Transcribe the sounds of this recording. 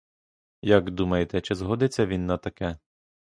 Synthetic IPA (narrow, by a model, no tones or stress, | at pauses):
jɐɡd̪umɐjet̪ɛt͡ʃɪzɦɔd̪ɪt͡sʲːɐʋʲinːɐt̪ɐkɛ